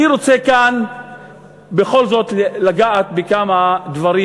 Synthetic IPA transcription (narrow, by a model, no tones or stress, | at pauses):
iɾo̞t͡sekan | be̞χo̞lzo̞t̪laɡaʔat̪̚bekamad̪vaɾi